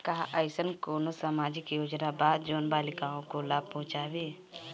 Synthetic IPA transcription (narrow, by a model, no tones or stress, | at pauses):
kaɦaʔəɪsənkoːnosaːmaːd͡ʒɪkjoːd͡ʒnabaːd̪̚d͡ʒoːnbaːlɪkaːõkolaːb̚pɔɦʊ̃t͡ʃaːʋeː